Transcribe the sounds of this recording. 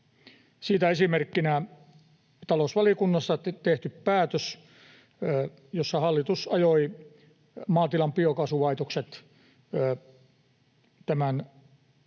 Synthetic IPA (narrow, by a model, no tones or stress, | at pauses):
siːt̪æesimerkːinæ | t̪ɑlosʋɑliokunːɑst̪ɑt̪eht̪yppæːt̪øs | josːɑhɑlːit̪usɑjoi | mɑːt̪ilɑmpiokɑsuʋɑit̪okset̪ː | t̪æmæn